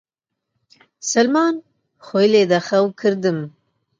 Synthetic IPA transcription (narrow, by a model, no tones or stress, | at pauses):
sɐlmɑːn | xojleːd̪ɐxɐwkʰɨɾd̪ɨm